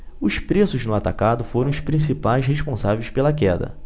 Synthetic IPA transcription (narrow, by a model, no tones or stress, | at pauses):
ʊʃpɾesʊznʊat̪akad̪ʊfoɾɐ̃w̃ʊʃpɾĩsipajsheʃpõsavejspelɐkɛd̪ɐ̰